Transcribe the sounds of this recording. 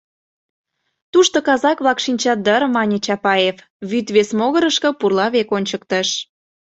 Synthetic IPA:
t̪uʃt̪okɑzɑkβlɑkʃinʲt͡ɕɑt̪̚d̪əɾmɑnʲet͡ɕɑpɑjef | βyt̪βesmoɣəɾəʃkə̆purlɑβekonʲt͡ɕək̚t̪ə̆ʃ

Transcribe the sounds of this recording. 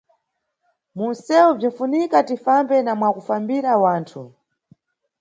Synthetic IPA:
munsɛub͡ʐinfunikatifambɛnamwakufambiɾawaːntʰu

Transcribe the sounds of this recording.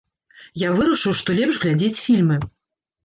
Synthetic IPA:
javɨɾɐʂɨwʂt̪ɔlʲɛpʂɣlʲad͡zʲet͡sʲfʲilʲmɨ

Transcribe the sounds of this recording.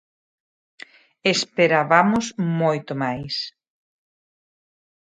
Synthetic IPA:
espeɾaβamʊsmojt̪omajs

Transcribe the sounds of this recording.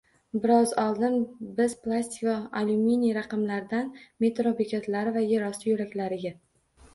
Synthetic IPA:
bɪɾɒzɒlˠd̪ɪnbɪz̥plˠasʲt̪ikoaluminijɾaqɑmlaɾɪd̪anme̞t̪ɾopekʲʰat̪laɾɪvaje̞ɾɒsɪjʊɾakʲlaɾɪɡʲa

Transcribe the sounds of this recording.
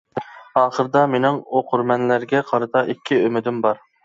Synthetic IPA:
ɑːχəɾɨd̪ɑmenɪŋoqʰʊɾmɛnlæɾɡʲɛqʰɑɾɨt̪ʰɑʔikʲʰːiømɪd̪ɪmbɑɾ

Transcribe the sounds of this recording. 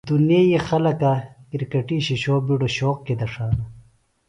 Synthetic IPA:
d̪unjeːjixɐlɐkakiɾkɐʈiɕiɕoːbiɖoɕoːq̚ked̪ɐʂaːnɐ

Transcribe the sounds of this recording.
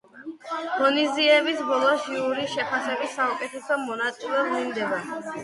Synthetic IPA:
d̥ɔniziɛbisbɔlˠɔʃiuɾiʃɛpʰasɛbisːaukʼɛt̪ʰɛsɔmɔnat̪sʼilɛblind̪ɛba

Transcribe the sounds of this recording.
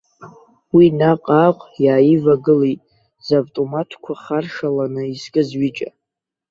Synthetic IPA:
winaqʼaːqʷʼjaːjivaɡɨlijtʼ | zavtʼomatʰkʷʰaχarʂalanɨiskʼɨzɥit͡ʃʼa̰

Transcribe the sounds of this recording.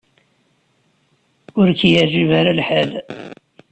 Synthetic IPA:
ʊɾkjəʕʒivaɾalħəl

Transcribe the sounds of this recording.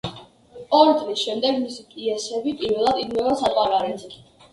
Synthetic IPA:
ɔɾit̪sʼlisʃɛmd̪ɛɡmisipʼiɛsɛbipʼiɾvɛlˠad̪id̪mɛvasap̪ʼaɾaɾɛt̪sʼ

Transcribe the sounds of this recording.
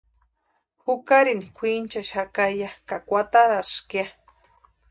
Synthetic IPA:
hukaɾinikʷʰint͡ʃaʃakajakakʷat̪aɾaskia

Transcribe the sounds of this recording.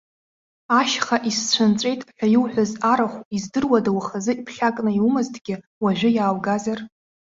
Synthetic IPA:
aʃχaʔist͡ɕʷʰant͡sʷʼe̞jtʼħʲʷᶣajɪwħʷᶣazaɾaχʷizdɨrwadawχazɨipʰɬʲakʼnɨiwumɨztʼɡʲɪ | waʒᶣʷʊjaːwɡazar

